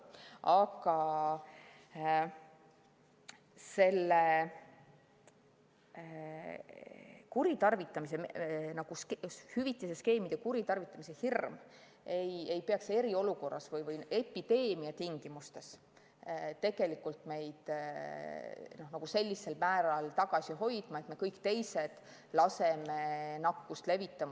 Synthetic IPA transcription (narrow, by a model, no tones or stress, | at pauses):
ɑɡɑ | se̞lːe | kuɾit̪ɑrvit̪ːˑɑmis̬enɑɡ̥uskhyvit̪ˑːiseske̞ːmid̪̥ekuɾit̪ɑrvit̪ːˑɑmise̞hirm | eje̞jpeɑkse̞ɾio̞luko̞rːɑ̰svɤjvɤje̞pːˑid̪e̞ːmiɑt̪iŋɡ̥imust̪e̞s | t̪e̞ɡ̥e̞likːult̪me̞jd̪̥ | no̞hnɑɡ̥use̞lʲːise̞lmæːɾɑlt̪ɑɡ̥ɑsʲiɦo̞jd̪̥mɑe̞t̪me̞kɤjkt̪e̞jse̞d̪̥ | lɑse̞me̞nɑkːust̪le̞vit̪ːˑɑm